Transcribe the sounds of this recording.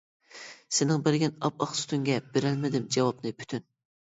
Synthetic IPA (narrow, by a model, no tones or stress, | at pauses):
sɪnɪŋbɪɾɡʲɛnɑpɑqsy̥t̪ʰyŋɡʲɛb̥eɾælmɪd̪ɪmd͡ʒɑwɑpnɨpʰy̥t̪ʰyn